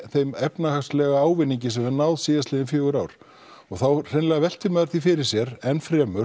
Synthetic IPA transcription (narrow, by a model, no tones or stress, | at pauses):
θejmɛpnahakslɛɣaaːwvɪnːiɲcɪs̬ɛmɛɾnawðsiːðaslɪðɪnfjœːɣʏɾawɾ̥ | ɔɣθawr̥ɪnlɛɣavɛl̥t̪ʰɪmɛːðaɾ̥θifɪɾɪɾ̥sjɛɾɛnfɾɛːmʏ